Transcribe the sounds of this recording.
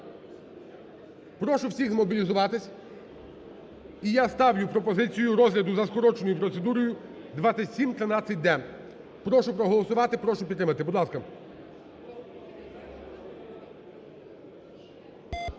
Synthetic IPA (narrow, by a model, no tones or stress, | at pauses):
pɾɔʃʊwsʲiɣzmɔbʲilʲizʊʋɑt̪ɪsʲ | ijast̪ɑwjʊpɾɔpɔzɪt͡sʲijʊɾɔzɦlʲɐd̪ʊzɐskɔɾɔt͡ʃenɔjupɾɔt̪sed̪uɾɔjʊ | d̪ʋɑt͡sʲːɐtʲsʲimt̪ɾɪnɑt͡sʲːɐt̚ʲd̪ɛ | pɾɔʃʊpɾɔɦɔlˠɔsʊʋɑt̪ɪpɾɔʃʊpʲit̪ːɾɪmɐt̪ɪbɔd̪lˠɑskɐ